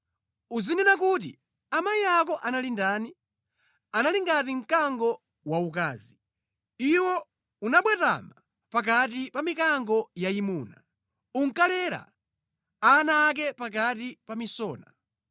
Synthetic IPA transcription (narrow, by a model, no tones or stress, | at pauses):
uzinɛnak̬uti | amaiak̬ɔʔanalindaːni | analiŋɡatiŋ̩kaŋɡɔ | wauk̬a̰ːzi | iwɔ | unaɓwɛta̰ma | pak̬at̬ipamikaŋɡɔjaimuːna̰ | uŋ̩kalɛɾa̰ | anaːk̬ɛpak̬atipamisɔːna